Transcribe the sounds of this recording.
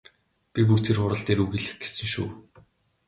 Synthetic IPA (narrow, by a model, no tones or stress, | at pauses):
pʲip̬ur̥t̪ʰerχʊɾə̆ɬt̪eːɾuɣiɮɘ̆xɡe̥sɘ̆ŋʃṵː